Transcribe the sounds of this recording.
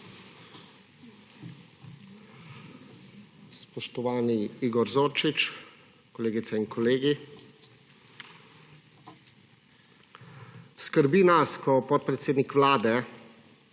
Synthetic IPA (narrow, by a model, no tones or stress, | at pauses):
spɔʃt̪ɔʋaːniiɡɔɾzoːɾt͡ʃit͡ʃ | kɔleːɡit̪sɛinkʰɔleːɡi | skəɾbiːnaskɔpɔt̪̚pɾɛt̪seːd̪nikʋlaːd̪ɛ